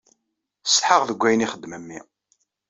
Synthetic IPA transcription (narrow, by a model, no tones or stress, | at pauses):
sħəʁðəɡʷːæjniχəd̪ːməmːḭ